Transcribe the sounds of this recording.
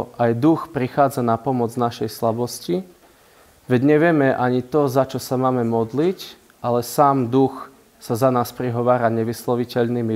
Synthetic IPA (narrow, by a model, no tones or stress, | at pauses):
ʔajd̪uxpɾixaːd͡zanapɔmɔd͡znaʃɛjslabɔsci | ʋɛɟɲɛʋɪɛmɛʔaɲit̪ɔzat͡ʃɔsamaːmɛmɔd̪lic | ʔalɛsaːmd̪ux | sazanaːspɾiɦɔʋaːɾaɲɛʋislɔʋicɛʎnimi